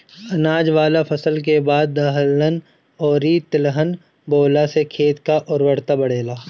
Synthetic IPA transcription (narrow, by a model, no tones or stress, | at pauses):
ɐnaːd͡ʒʋaːlapʰɐsəlk̬ebaːd̪̚ːɐɦəlːən | ɔːɾiːt̪ɪlɦən | boːlasekʰeːt̪kaʔʊɾwəɽt̪abɐɽ̤eːlaː